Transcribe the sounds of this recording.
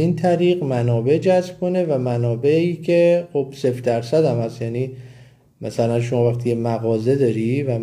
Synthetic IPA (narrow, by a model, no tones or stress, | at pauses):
iːnt̪ʰæɾiːɣmænɒːbe̞d͡ʒæzb̥̚ko̞ne̞væmænɒːbeiːcʰe̞xo̞b̥se̞fd̪æɾsæd̪æmhæst̪jæːniː | mæsælænʃ̬o̞mɒːvæxt̪ʰiːemæɣɒːze̞d̪ɒːɾivæ